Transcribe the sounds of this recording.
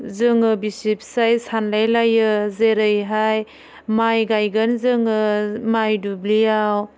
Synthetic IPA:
zɯŋɯbisip̚sajsanlajlajɯzeɾɯjɦaj | majɡajɡənzɯŋɯmajdublijaw

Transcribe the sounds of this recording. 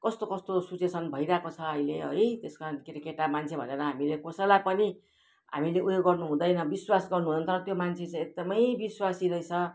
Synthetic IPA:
kʌst̪okʌst̪osut͡sesʰʌnbʱʌiɾakot͡sʰʌːjleʌ̰jt̪eskaɾʌnkeɾikeʈamant͡sʰebʱʌneɾʌɦamilekosʌlajpʌni | ɦa̰mileʔujoɡːʌrnuɦũd̪ʌjnʌbiswasɡʌrnuɦunʌnt̪ʌɾʌt̪jomant͡sʰet͡sãek̚d̪ʌmʌjbiswasiɾʌjt͡sʰʌ

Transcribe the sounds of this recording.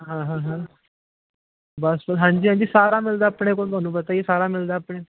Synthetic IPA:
ɦãɦãɦã | basbəlɦãɲd͡ʑiːɦãɲd͡ʑiːsaɾamild̪apɳekoɳbənuːbət̪aɦisaɾamild̪apɳe

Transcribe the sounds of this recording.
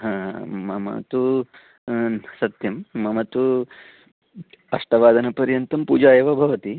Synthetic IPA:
ɦãːɦãmɐmɐ̰t̪u | sɐt̪jɐmːɐmɐt̪u | ɐʂʈɐʋaːd̪ʱɐnɐpɐɾjɐnt̪ɐmpuːd͡ʒaːjɐʋɐbʱɐʋɐt̪i

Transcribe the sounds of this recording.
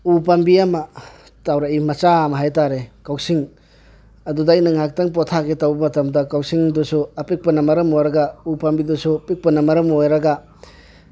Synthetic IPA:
up̬ambiamɐ | tawɾaimɐt͡ʃamɐɦajtaɾekawsiŋ | ɐdudajnɐŋak̚tɐŋp̬otʰaketɐwbɐmɐtɐmdɐkawsiŋdusuɐpik̚pɐnɐmɐɾɐmojɾɐɡɐupɐmbidusupik̚pɐnɐmɐɾɐmojɾɐɡɐ

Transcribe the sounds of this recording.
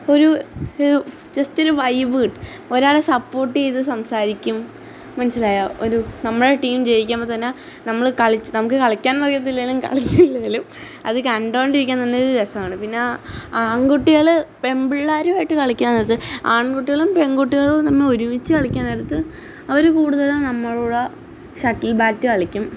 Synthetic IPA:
o̞ɾu | t͡ɕɐsto̞ɾuʋɐjbiːʈɨ | o̞ɾaːɭesɐpːo̞ːrʈːijiðɨsɐmsaːɾikʲːumː | ɐnɐsːilaːjao̞ɾunɐmːɐɭoʈiːmt͡ɕe̞jikʲːaːmpːoːt̪ɐnːe | nɐmːɐɭkɐɭit͡ɕːɨnɐmuk̬ːɨkɐɭɐkʲːaːnmɐrjɐt̪ːilːɐilumkɐ̰ɭit͡ɕːɨilːɐilum | ɐ̰ðɨkɐɳɖoːɳɖiɾikʲːant̪ɐnːeoɾud̪esɐmaːɳɨpinːeaːɳkuʈːiɣɐɭɨpe̞mbiɭːaːɾumaːjiʈːɨkɐɭikʲːaːnːɐɾt̪ːɨaːɳkuʈːiɣɐɭumpe̞ŋɡuʈːiɣɐɭt̪ɐnːeoɾuʋit͡ɕːɨkɐɭikʲːaːnɐjɾɐt̪ːɨ | ɐʋɐɾukuːɽuðɐlumnɐmːɐɭuːɽɐ | ɕɐʈːilbaːtːɨkɐɭikʲːum

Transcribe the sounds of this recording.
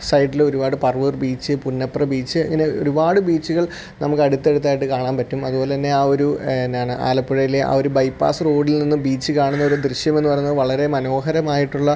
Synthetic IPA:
sɐjʈːilo̞ɾubaːɽɨpɐrʋɨrbiːt͡ɕːɨpunːɐprɐbiːt͡ɕːɨɐ̰ŋːɐne̞o̞̰ɾubaːɽɨbiːt͡ɕːuɣɐɭ | nɐmukːɐɽut̪ːe̞ɽut̪ːaːjiʈ̬ːɨkaːɳaːnpɐtːumɐ̰ðubo̞ːlet̪ɐnːe̞aːo̞ɾunːaːɳɨʔa̰ːlɐpːiɻɐjileʔa̰ːo̞ɾubɐjpːa̰ːsro̞ːɽilninːumbiːt͡ɕːɨkaːɳunːɐo̞ɾud̪riɕjɐme̞nːupɐrɐjɲnːɐðɨʋɐɭɐɾe̞mɐno̞ːɦɐɾɐmaːjiʈːuɭːɐ

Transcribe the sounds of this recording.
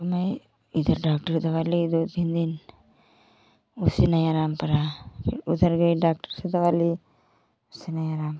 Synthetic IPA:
mɐj | id̪ʱɐɾɖaːk̚ʈɐɾd̪ɐʋaːlid̪oːd̪bʱind̪in | usinɐjaɾaːmpɐɾaud̪ʱɐɾɡɐjɖaːk̚ʈəɾsɐd̪ɐʋaːli | usinɐjaɾaːmp

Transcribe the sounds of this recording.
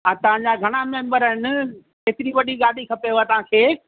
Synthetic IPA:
ãːt̪ɐʋ̤ãɲd͡ʑaɡʱɐɽ̃amɛ̃ːmbəɾɦɪnɪ̆ | keːt̪ɪɾiʋɐɗiɠaːɖikʰɐpeat̪ɐʋ̤ãːkʰeː

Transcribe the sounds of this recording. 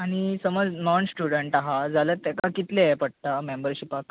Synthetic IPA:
aɽ̃isəməd͡znɔnsʈjuɽəɳʈaɦad͡zalət̪ːɛkakit̪lepəɽ̚ʈ̪amembəɾɕiːpak

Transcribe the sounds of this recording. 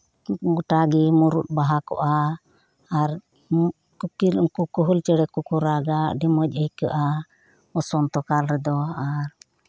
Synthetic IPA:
ɡuʈaɡimuɾut̪̚baɦakɔ̰ʔaː | ɾ | kukilŋkukuɦult͡ʃɛɽɛkukuɾaɡaɖimɔc̚əjkəʔa | ɔsɔnt̪ɔkalɾɛd̪ɔaɾ

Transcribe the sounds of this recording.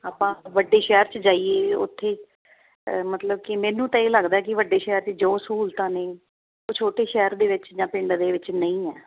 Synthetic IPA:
aːpãːʋəɖeːʃɛːɾt͡ʃəd͡ʒaːieːʊ̰t̪ʰːeː | mət̪ləb̚kɪmɛːnũːt̪ãːeːləɡd̪aːkɪʋəɖːeːʃɛːɾt͡ʃəd͡ʒoːsuːlt̪ãːneː | oːt͡ʃʰoːʈeːʃɛːɾd̪eːʋɪt͡ʃd͡ʒãːpɪɳɖd̪eːʋɪt͡ʃnəĩːɛː

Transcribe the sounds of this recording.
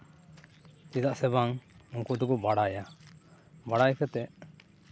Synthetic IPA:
t̪id̪aʔsɛbaŋuŋkɔd̪ɔkɔbaɽaja | baɽajkɛt̪ɛʔ

